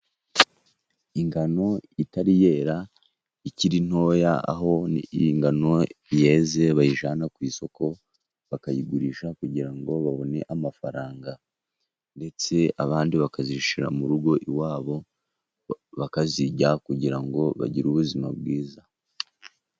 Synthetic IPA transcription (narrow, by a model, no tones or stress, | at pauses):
iŋɡano̞itaɾije̞ːɾa | iciɾin̥ho̞jaa̰ɦo̞ŋɡano̞je̞ːze̞βajiʒaːnakwiːso̞ko̞ | βakajiɡuɾiʃakuɟiɾaŋɡo̞βaβo̞ne̞ʔamafaɾaːŋɡa | nde̞t͡se̞aβaːndiβakaziʃiɾa̰muɾuɡo̞ʔiwaːβo̞ | βakaziɟakuɟiɾaŋɡo̞βa̰ɟiɾuβuzima̰bɡiːza